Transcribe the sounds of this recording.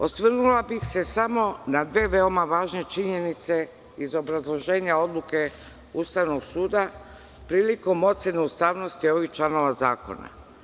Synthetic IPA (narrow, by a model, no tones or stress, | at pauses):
o̞sʋrnulabixse̞samo̞nad̪ʋe̞ːʋe̞omaʋaːʒne̞t͡ʃiɲe̞nit̪se̞ | izo̞bɾazlˠo̞ʒe̞ːɲao̞d̪luke̞ | ust̪aʋno̞ɡsuːd̪a | pɾiːliko̞mo̞t̪seneust̪aːʋno̞st̪io̞ʋixt͡ʃlano̞ʋazaːko̞̰na̰